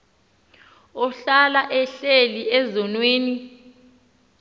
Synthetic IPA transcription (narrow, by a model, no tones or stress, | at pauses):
ɔɬalaʔɛɬeliɛzɔnweːni